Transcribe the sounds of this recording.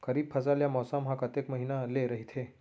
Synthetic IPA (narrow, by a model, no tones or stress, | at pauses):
kʰəɾiːbpʰəsaljamɔsamɦakət̪ekməɦinaleɾəɦit̪ʰe